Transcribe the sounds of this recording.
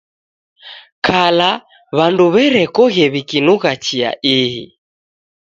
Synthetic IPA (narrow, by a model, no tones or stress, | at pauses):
kʰala | βanduβɛɾɛkɔɣɛβikinuɣat͡ʃia̰ʔiɦḭ